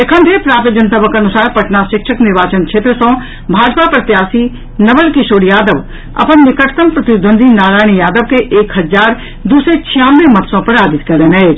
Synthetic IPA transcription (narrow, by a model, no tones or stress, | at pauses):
ekʰə̃nd̪ʰʱepɾaːp̪d͡ʒənsɐbəkɐnʊsaːɾpɐʈnaʃɪkʃəknɪɾʋaːt͡ʃənt͡ʃʰet̪ɾsõː | bʱaːd͡ʒpapɾɐt̪jaːsi | nɐʋəlkiʃoːɽijaːd̪əʋ | ɐ̰pənːɪkəʈʰt̪əmpɾɐt̪ɪd̪ʱə̃nd̪inaːɾaːɪɽ̃ijaːd̪əʋkeʔeːkɦɐzaːɾ | d̪uːset͡ʃʰijãːnʋemɐt̪sõpɐɾaːd͡ʒ̪ɪt̪kɐɾenɐe